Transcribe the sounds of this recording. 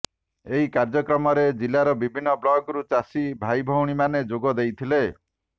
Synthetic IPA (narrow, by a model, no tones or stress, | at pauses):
eɦikaɾd͡ʒɔkɾɔmɔɾed͡ʒilːaɾɔbibʱinːɔblɔɡɾut͡ʃasibʱajbʱɔwɽ̃imaned͡ʒoɡɔd̪ejt̪ʰile